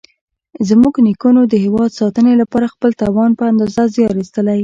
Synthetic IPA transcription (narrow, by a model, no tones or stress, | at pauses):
zmuɡnikunod̪əɦɪwɑd̪sɑt̪ənelapɑɾaxpəlt̪ɑwɑnpəand̪ɑzazeɑxist̪əlaj